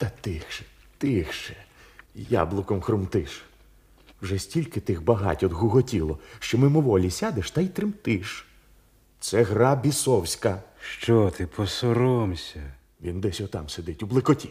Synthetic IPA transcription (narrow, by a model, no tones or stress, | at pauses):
t̪ɐt̪ɪxʃɛ̥ | t̪ɪxʃɛja̰blˠʊkɔmxɾʊmt̪ɪʃ | wʒɛsʲtʲilʲkɪt̪ɪxbɐɦɑ̰tʲɔd̪ɦʊɦɔtʲilˠɔʃt͡ʃɔmɪmʊʋɔlʲisʲad̪eʃt̪ɐjt̪ɾɪmt̪ɪʃ | t̪sɛɦɾɑbʲisɔwsʲkɐʃt͡ʃɔt̪ʰɪpʰɔsɔɾɔmsʲɐ | ʋʲind̪ɛsʲɔt̪ɑmsed̪ɪtʲublˠɪkɔtʲi